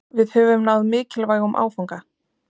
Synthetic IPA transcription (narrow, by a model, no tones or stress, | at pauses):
vɪðhœvʏmnawðmɪːcɪlvaːjɣɔmʔa̰ːwfawŋka